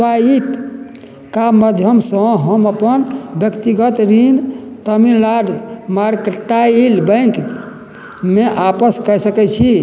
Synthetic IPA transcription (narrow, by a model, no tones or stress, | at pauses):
swaip | kaməd̪ʱjəmsə̃ɦəməpənbjəkt̪iɡət̪ɾind̪t̪əmillaɖmaɾkeʈːailbə̃ŋk | meʔapəskəjsəkɛt͡ʃʰi